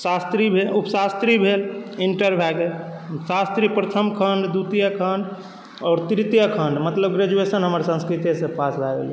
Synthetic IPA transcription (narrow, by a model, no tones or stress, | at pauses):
sast̪ɾibʱeupsast̪ɾibʱeliɳʈəɾbʱɛɡe | sast̪ɾipɾət̪ʰəmkʰənɖd̪ut̪jəkʰəɳɖ | ɔːɾt̪ɾit̪ijəkʰəɳɖmət̪ləbɡɾed͡ʒuesənɦəməɾsə̃nskɾit̪esẽpaslabḛli